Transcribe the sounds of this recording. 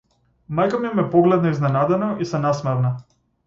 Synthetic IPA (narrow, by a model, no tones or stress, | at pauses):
majkamimɛpɔɡlɛd̪̚naiznɛnad̪ɛnɔisanasmɛɾna